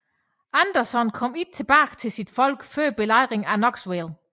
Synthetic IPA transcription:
ænd̥ɐsɒnkʰɒ̽m̰id̥̚t͡sʰe̝b̥æ̰ːɡ̥t͡sʰe̝lsid̥fɒ̽l̰ɡ̥føɐb̥e̝lɑ̈ɪ̰ʁeŋænɒɡ̥sʋelˠ

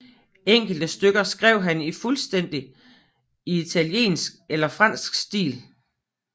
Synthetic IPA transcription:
eŋ̰ɡ̥l̩d̥əsd̥øɡ̥ɐsɡ̥ʁɛʊ̰ɦænifulsd̥en̰d̥i | iit͡sʰælje̝̰ːnsɡ̥̚elɐfʁɑ̈n̰sɡ̥sd̥ḭːl

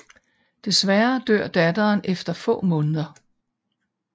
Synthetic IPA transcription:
d̥e̝sʋæɐd̥øɐ̰d̥æd̥ɐːnefd̥ɐfɔ̰̽ːmɔ̽ːnəðˠɐ

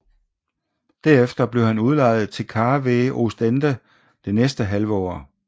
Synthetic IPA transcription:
d̥æɐ̰efd̥ɐb̥le̝ʊhænuð̞ˠlɑ̈ɪ̰ð̞̩ˠt͡sʰe̝lkʰɑ̈ːʋeːʔo̝sd̥end̥ə | d̥e̝nesd̥əɦælʋəɒ̰ː

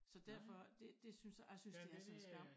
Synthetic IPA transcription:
sɒ̽d̥æɐfɒd̥e̝d̥e̝synsjasynsd̥iæsɒnsɡ̥æm

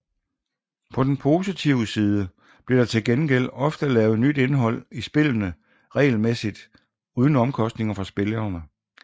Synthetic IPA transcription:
pʰɒ̽d̥enpʰo̝ːsit͡sʰiʊəsiːð̞ˠə | b̥le̝ɾ̥ɑ̈t͡sʰe̝lɡ̥enɡ̥el̰ɒ̽fd̥əlɛːʊnyd̥e̝nɦɒ̽l̰isb̥e̝lənə | ʁɛ̰ːlmesid̥ | uːð̞ˠn̩ɒ̽mkʰɒ̽sd̥ne̝ŋɐfɑ̈sb̥e̝lɐnə

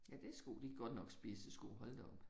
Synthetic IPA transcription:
jæd̥e̝sɡ̥ud̥iɡ̥̚ɡ̥ɒ̽d̥nɒ̽ɡ̥sb̥iːsd̥esɡ̥uɦɒ̽ld̥eɒ̽b̥

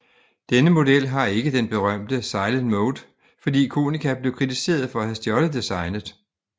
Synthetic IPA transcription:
d̥enəmo̝d̥el̰ɦɑ̈e̝ɡ̥əd̥enb̥e̝ʁɶm̰d̥əsɑ̈ɪlən̥mɔʊd̥ | fɒ̽dḭːkʰo̝ːnikʰæb̥le̝ʊkʰʁit͡sʰise̝̰ːɐð̞ˠfɒ̽æhæsd̥jɒl̥əðd̥isɑ̈ɪnəð̩ˠ

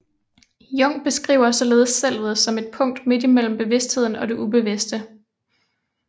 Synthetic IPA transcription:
jɔ̽ŋ̰b̥e̝sɡ̥ʁḭːʊ̰ɐsɒ̽le̝ːð̞ˠssel̰ʋð̩ˠsɒ̽me̝d̥̚pʰɔ̽ŋ̰d̥me̝d̥imel̰m̩b̥e̝ʋe̝sd̥he̝ð̞̰ˠn̩ɒ̽d̥e̝ʔub̥e̝ʋe̝sd̥ə

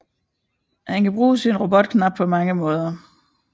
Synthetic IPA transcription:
hænkæb̥ʁuːsinʁo̝b̥ɔ̽d̥̚kʰnɑ̈b̥̚pʰɒ̽mɑ̈ŋəmɔ̽ːð̞ˠɐ

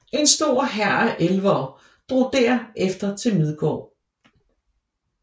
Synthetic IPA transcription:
e̝nsd̥o̝ɐ̰ɦæɐ̰æʔelʋɒ | d̥ʁo̝ːd̥æɐ̰efd̥ɐt͡sʰe̝lmið̞ˠɡ̥ɒ̰ː

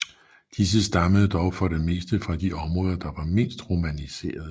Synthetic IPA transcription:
d̥is̬əsd̥ɑ̈məðˠd̥ɒʊfɒ̽ɾ̥eme̝ːsd̥əfʁɑ̈d̥iʔɒ̽mʁɔ̽ːðˠɐd̥ɑ̈ʋɑ̈me̝nsd̥ʁomænise̝̰ːɐð̞̩ˠ

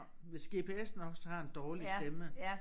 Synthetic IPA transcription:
ʋe̝sɡ̥e̝ːpʰe̝ːesn̩ɒ̽ɡ̥shɑ̈e̝nd̥ɒːlisd̥emə

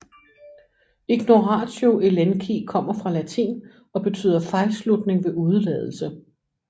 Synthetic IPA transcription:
iɡ̥no̝ʁɑ̈ːsoʔelenkʰikʰɒ̽m̰ɐfʁɑ̈læt͡sʰḭːn | ɒ̽b̥e̝t͡sʰy̰ːðˠɐfɑ̈ɪlslud̥ne̝ŋʋe̝ʔuð̞ˠlɛ̰ð̞ˠl̩sə

